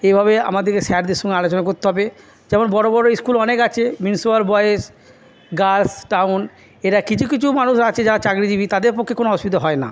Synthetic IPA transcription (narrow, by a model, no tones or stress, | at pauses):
ejbʱaβea̰mad̪eɾkeʃɛaɖd̪eɾʃũŋealot͡ɕonakoɾt̪eɦɔbe | d͡ʑɛmonbɔɽobɔɾoejskulɔnekat͡ɕʰeminsuaɾbɔees | ɡasʈawn | eɾakit͡ɕʰukit͡ɕʰumanuʃɾat͡ɕʰed͡ʑaɾat͡ɕaɡɾid͡ʑibit̪ad̪eɾpokʰːekonoɔʃpit̪̬oɦɔena̰